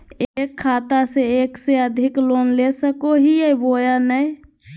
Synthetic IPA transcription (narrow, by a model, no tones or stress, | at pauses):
ekʰːaːt̪aseekseəd̪ʱɪkloːnlesəkoɦijebojanəj